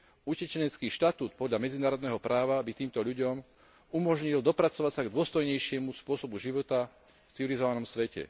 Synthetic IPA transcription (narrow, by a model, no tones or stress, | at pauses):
ucɛt͡ʃɛɲɛt͡skiːʃt̪at̪uːt̪pɔd̪ʎamɛd͡zinaːɾɔd̪nɛːɦɔpɾʔaːʋabit̪iːmt̪ɔʎuɟɔm | umɔʒɲild̪ɔpɾat͡sɔʋacsaɡd̪ʊɔst̪ɔjɲɛjʃɪɛmuspʊɔsɔbuʒiʋɔt̪a | ft͡siʋilizɔʋanɔmsʋɛcɛ̰